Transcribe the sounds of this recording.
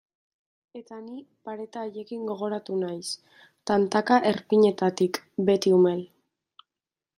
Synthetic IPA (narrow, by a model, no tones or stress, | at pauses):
e̞t̪ani | paɾe̞t̪aːje̞kiŋɡo̞ɣ̞o̞ɾat̪unajs | t̪ant̪akaʔe̞ɾpiɲe̞t̪at̪ikbe̞t̪iume̞l